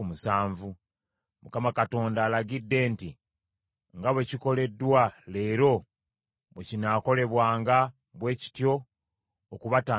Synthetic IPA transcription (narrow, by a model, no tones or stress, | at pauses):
musaːɱvu | mukamakato̞ːndaːlaɡidːe̞ːnti | ŋɡaβwe̞ciko̞le̞dːwale̞ːɾo̞ | βwecinako̞le̞βwaːŋɡa | βwe̞ːci̥tjo̞ː | kuβataː